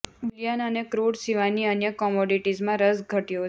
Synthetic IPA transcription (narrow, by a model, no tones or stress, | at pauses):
uljanənekɾoɽsiʋaniənjəkɔmoɖiʈizmãɾəsɡʱəʈijo